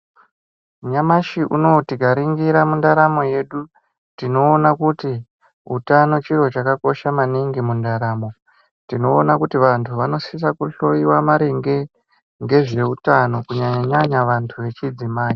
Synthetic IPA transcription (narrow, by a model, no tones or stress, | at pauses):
ɲamaʃiʔuno̞tiɡʱaɾiŋɡiɾamundaɾamo̞je̞ɗu | tino̞ːnakuti | utano̞t͡ʃiro̞t͡ʃakako̞ʃamaniŋɡimundaɾaːmo̞ | tino̞ːnakutiʋantʰuʋano̞sisakuɬo̞jiwamaɾeŋɡe̞ | ŋɡe̞ʐe̞utano̞kuɲaɲaɲaʋantʰuʋe̞t͡ʃid͡zimaːji